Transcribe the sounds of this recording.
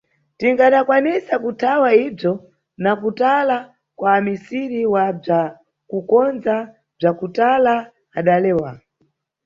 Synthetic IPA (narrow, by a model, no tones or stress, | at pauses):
tiŋɡaɗakwanisakutʰawaib͡ʐɔ | nakutala | kwaːmisiɾiwab͡ʐa | kukɔnza | b͡ʐakutala | aɗalɛːwa